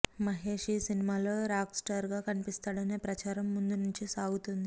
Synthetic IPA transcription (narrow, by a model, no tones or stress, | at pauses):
mɐɦe̞ːʂisinimaːloːɾaːksʈaɾɡaːkɐnipist̪aːɽɐne̞ːpɾɐt͡ʃaːɾɐmːund̪unuɲt͡ʃisaːɡut̪und̪i